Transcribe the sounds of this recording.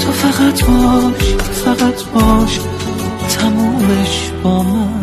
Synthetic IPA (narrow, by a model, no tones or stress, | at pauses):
t̪ʰɒfaʁat̪ʰbɒʃfaɣat̪ʰbɒʃ | t̪ʰamɔmeʃ | b̥ɒːma